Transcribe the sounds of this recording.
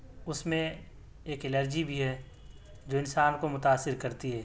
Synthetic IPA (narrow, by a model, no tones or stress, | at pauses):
ʊsmẽ | eːkɪləɾd͡ʒibʱiɦɛ | d͡ʒoːɪnsaːnkomʊt̪aːsːɪɾkɐɾt̪iɦɛː